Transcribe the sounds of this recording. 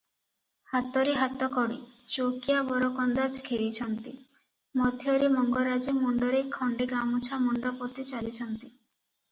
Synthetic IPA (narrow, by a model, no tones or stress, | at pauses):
hat̪ɔɾeɦat̪ɔkɔɽḭt͡ʃokiabɔɾɔkɔnd̪at͡ʃkʰeɾit͡ʃʰɔnt̪i | mɔd̪ʱjɔɾemɔŋɡɔɾad͡ʒimuɳɖɔɾekʰːɔɳɖeɡamut͡ʃʰamuɳɖɔpɔt̪it͡ʃalit͡ʃʰɔnt̪i